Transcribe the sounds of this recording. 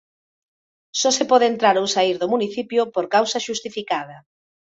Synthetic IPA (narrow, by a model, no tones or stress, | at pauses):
sɔsepɔðent̪ɾaɾowsaiɾðʊmuniθipjʊpoɾkawsɐʃust̪ifikað̞ɐ